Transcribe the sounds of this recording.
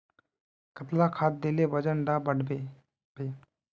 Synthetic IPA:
kət̪lakʰaːt̪̚d̪eːlebəd͡ʒənɖabəɽbe | be

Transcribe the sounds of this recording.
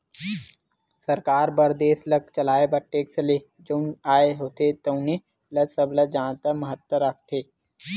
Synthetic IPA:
səɾkaːɾbəɾd̪eːsləkt͡ʃəlaːebəʈːeːksəleː | d͡ʒonaːeɦoːt̪et̪oʊne | ləsəbləd͡ʒaːnt̪əməɦət̪wəɾək̚ʰt̪ʰeː

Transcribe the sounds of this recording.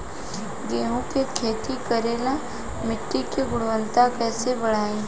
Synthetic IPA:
ɡeːɦũkekʰeːt̪ikəɾeːla | mɪʈːikeɡʊɽʋə̃nt̪akɛːsebəɽ̤aːẽː

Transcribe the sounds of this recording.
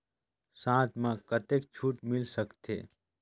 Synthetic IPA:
sãːt̪mãkət̪ek̚t͡ʃʰuːʈmɪlsəkt̪ʰḛː

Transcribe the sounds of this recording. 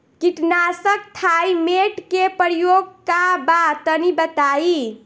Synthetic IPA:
kiʈnasək̚t̪ʰaimeʈkepəɾijoɡ̚kabat̪ənibət̪ai

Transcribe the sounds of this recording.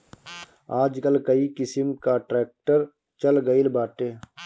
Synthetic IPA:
aːd͡ʒkəlkɐikɪsəmkaʈɾɛːk̚ʈəɾ | t͡ʃəlɡəilbaːʈ̪eː

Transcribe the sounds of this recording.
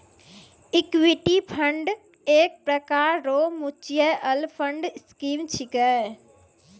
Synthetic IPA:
ɪkwɪʈipʰɐə̃ɳɖ | eːk̚pɾɐkaːɾɾoːmʊt͡ɕijɛʔɐlpʰə̃ɳɖɪskiːmt͡ɕʰikə

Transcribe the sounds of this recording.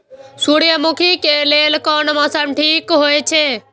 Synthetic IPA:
suɽijəmʊkʰikeleːlkɔnmãsəmʈʰiːkɦoːet͡ʃʰeː

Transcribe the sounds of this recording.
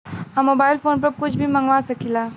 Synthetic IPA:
ɦɐmːoːbaːɪlfoːnp̬ɐɾkʊt͡ʃʰbʱimɐ̃ŋɡʋasɐkilaː

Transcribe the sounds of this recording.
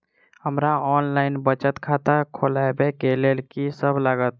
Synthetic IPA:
həmɾaɔnlaɪnbət͡ʃət̪kʰat̪əkʰolaebekelelkisəbʱlaɡət̪̚

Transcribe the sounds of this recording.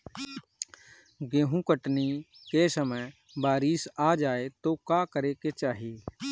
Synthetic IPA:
ɡẽːɦũkəʈnikesəməj | baːɾisaːd͡ʒaːet̪okaːkəɾeket͡ʃaːɦie

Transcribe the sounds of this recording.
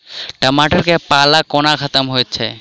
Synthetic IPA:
ʈəmaʈəɾkepalakonakʰət̪əmɦojet͡ɕʰḛ

